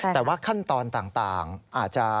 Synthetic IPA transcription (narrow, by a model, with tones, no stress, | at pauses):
t̪ɛː˨˩waː˥˩kʰa˥˩nt̪ɔː˧nt̪aː˨˩ŋt̪aː˨˩ŋʔaː˨˩t̪̚t͡ɕa˨˧